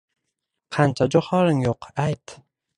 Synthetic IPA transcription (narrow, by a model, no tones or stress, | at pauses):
qʰɑnt͡ʃʰad͡ʒoχɒɾɪŋjoqajt̪